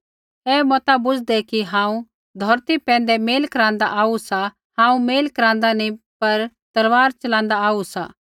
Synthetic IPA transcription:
ɛːmɔːt̪abʊd͡ʒd̪ɛkiɦãːũ | d̪ʱɔɾt̪ipɛ̃ːn̆d̪ɛmeːlkɐɾãːnd̪aʔaːusa | hãːũmeːlkɐɾãːn̆d̪ani | pɐɾ | t̪ɐlʋaːɾt͡ʃɐlãːnd̪aaːusaː

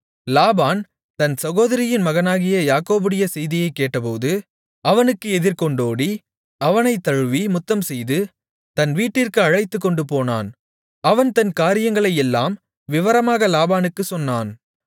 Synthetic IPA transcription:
laːbaːn | t̪ɐnsɐɣoːðɐɾɪjɪnmɐɣɐnaːɣɪjɐjaːkoːbɯɽɪjɐsɛjðɪjɐɪkːeːʈːɐpoːðɯ | ɐʋɐnɯkːɯɛðɪɾkɔɳɖoːɽi | ɐʋɐnɐɪt̪ːɐɻɯʋimʊt̪ːɐmsɛjðɯ | t̪ɐnʋiːʈːɪrkɯɐɻɐɪt̪ːɯkːɔɳɖɯpoːna̰ːn | ɐʋɐnt̪ɐnkaːɾɪjɐŋɡɐɭɐjɛlːa̰ːm | ʋɪʋɐɾɐmaːɣɐlaːbaːnɯkːɯsɔnːaːn

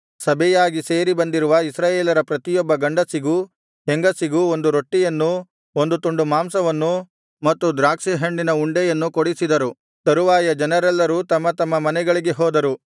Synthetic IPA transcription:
sɐbʱɛjaːɡise̞ːɾibɐnd̪iɾuʋɐisɾaːjeːlɐɾɐpɾɐt̪ijɔbːɐɡɐɳɖɐsiɡu | ɦeŋɡɐsiɡuo̞nd̪uɾoʈːijɐnːu | ond̪ut̪uɳɖumaːmsɐʋɐnːu | mɐt̪ːud̪ɾaːkʂiɦeɳɖinɐuɳɖɛjɐnːukoɽisid̪ɐɾu | t̪ɐɾuʋaːjɐd͡ʒɐnɐɾɛlːɐɾuːt̪ɐmːɐt̪ɐmːɐmɐnɛɡɐɭiɡe̞ɦɔːd̪ɐɾu

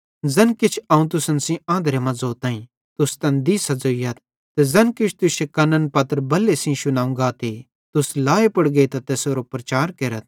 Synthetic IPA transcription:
zɐnkɪt͡ʃʰɐːũt̪ʊsənsĩãːnd̪ɾemɐ̃zoːt̪ãːĩ | t̪ʊst̪ɐnd̪isɐd͡zoːijɐt̪̚ | t̪ezɐnkɪt͡ʃʰt̪ʊʃʰekɐnənpɐt̪ɾbɐlːesĩʃʊnãːũɡat̪e | t̪ʊslaːepɐɽɡet̪at̪eːsoːɾopɾɐt͡ʃaːɾkeːɾət̪̚ʰ

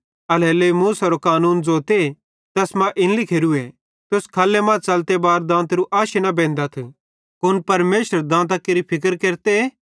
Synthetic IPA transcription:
ɐleːlemuːsɐɾokaːnuːnd͡zoːt̪e | t̪ɐsmãʔɪnlikʰeːɾue | t̪ʊskʰɐːlːemãt͡sɐlt̪ebaːɾd̪ãːt̪ɾuʔaːʃenɐbẽːnd̪at̪ʰ | kʊnpɐɾmeːʃəɾd̪ãːt̪̬akeɾipʰɪk̬əɾkeːɾt̪e

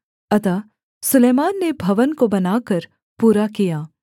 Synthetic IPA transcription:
ɐt̪a | sʊleːmaːnːebʱɐʋənkobɐnaːkɐɾ | puːɾakijaː

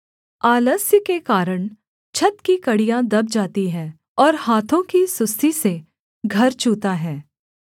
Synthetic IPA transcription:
aːləsjəkekaːɾəɽ̃ | t͡ʃʰɐt̪kikɐɽijãd̪ɐb̚d͡ʒaːt̪iɦɛ̃ː | ɔːɾhaːt̪ʰõkisʊst̪ʰise | ɡʱɐɾt͡ʃuːt̪aɦɛː

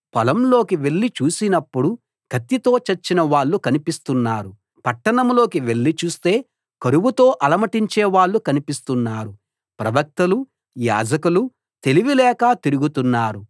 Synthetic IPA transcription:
pɐlɐmlo̞ːkiʋe̞ɭːit͡ʃuːsinɐpːuɽu | ɡ̥ʱɐt̪ːit̪o̞ːt͡ʃɐt͡ʃːinɐʋaːɭːukɐnipist̪unːaːɾu | pɐʈːɐɳɐmlo̞ːkiʋe̞ɭːit͡ʃuːst̪e̞ː | kɐɾuʋut̪o̞ːʔɐlɐmɐʈiɲt͡ʃeːʋaːɭːukɐnipist̪unːaːɾu | pɾɐʋɐk̚t̪ɐlu | ja̰ːd͡ʒɐkulu | t̪e̞liʋilɛːkaːt̪iɾuɡut̪unːaːɾu

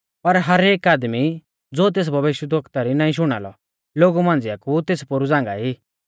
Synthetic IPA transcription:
pɐɾɦɐɾeːkaːd̪mi | d͡zoːt̪̬eːs̬bʱɐʋɪʃjəd̪okʰt̪aɾinãːĩʃ̬ʊɽ̃a̰ːlɔ̰ | loːɡumãːnd͡zɪjakut̪eːspʊɾud͡zãːŋɡa̰iː

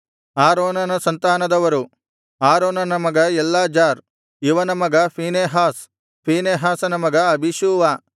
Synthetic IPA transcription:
aːɾoːnɐnɐsɐnt̪aːnɐd̪ɐʋɐɾu | aːɾoːnɐnɐmɐɡɐɛlːaːd͡ʒaːɾ | iʋɐnɐmɐɡɐpiːneːɦaːs | pʰiːneːɦaːsɐnɐmɐɡɐɐbʱiʃuːʋaː

